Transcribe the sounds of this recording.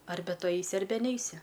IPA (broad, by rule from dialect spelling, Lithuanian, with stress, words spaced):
ˈɐrʲbʲɛ ˈtʊ ˈɐɪsʲɪ ˈɐrʲbʲɛ ˈnʲɛɪsʲɪ